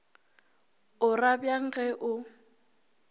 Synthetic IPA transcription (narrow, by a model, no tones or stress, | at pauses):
ʊrabjaŋ̩ɣɛʔʊ